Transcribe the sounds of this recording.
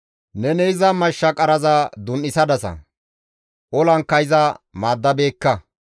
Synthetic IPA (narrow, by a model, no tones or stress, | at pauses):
nɛnɛɪzɐmɐʃːɐkʼɐɾɐzɐd̪ʊnʔɪsɐd̪ɐsɐ̰ | ʔɔlɐŋkːɐjɪzɐmaːd̪ːɐbe̞ːkːɐ